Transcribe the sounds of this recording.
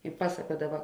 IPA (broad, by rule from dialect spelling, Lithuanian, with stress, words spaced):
ɪ ˈpɑːsɐkuɔdɐʋɐ